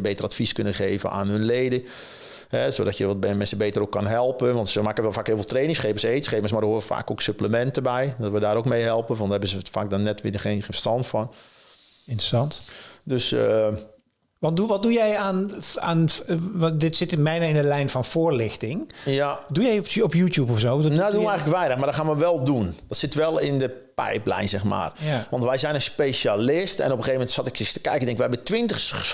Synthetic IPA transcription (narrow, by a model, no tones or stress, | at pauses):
beːtəratfiskønəχeːvə̰na̰ːnɦønleːdə | hɛsodɔtjəʋɔt̚bɛmɛnsəbeːtərokʰːɔnɦɛlˠpənʋɑntsəmaːkəʋɛlˠfaːkhɪːlˠvɛlˠtreːnɪŋsχeːpəseːtsχeːməs̬mardəoʋəfa̰ːkoksøpləmɛntəbɛjdɔtʋədaːɾokmejɦɛlˠpənʋɔnthɛbəzəfaːk̚dɔnːɛtʋɪdəχeːnxnstɔntfɔn | ɪntrəsɑntdøsə | ʋɑnduʋɔt̚dujɛjanan | dɪtsɪtmɛjnaɪndəlɛjnfɔnfoːərlɪxtɪŋjadujɛjɔpjuːtjup̬ɔfsoːdɔnadunəɛŋɣləkʋɛjnəxmardɔxaːnʋəʋɛlˠdund̥ɔtsɪtʋɛlˠɪndəpɛ̰jplɛ̰jnsɛxma̰ːrʋɑntʋɛjzɛjnənspejʃalɪstɛ̰nɔpəxeːvəmɛntsɔtɪkɪstəkɛjkəndɪ̃ŋkʋɛɛbətʋɪntəxs